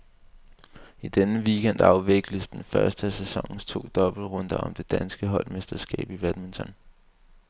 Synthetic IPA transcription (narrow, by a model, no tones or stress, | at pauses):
id̥enəʋiɡ̥en̰d̥ɑ̈ʊʋe̝ɡ̥ləsd̥enfɶɐsd̥əæsesɒ̽ŋ̰n̩st͡sʰo̝̰ːd̥ɒ̽b̥l̩ʁɔ̽nd̥ɐɒ̽md̥e̝d̥ænsɡ̥əɦɒ̽l̰mesd̥ɐsɡ̥ɛ̰ːb̥iʋæd̥ment͡sʰɒ̽n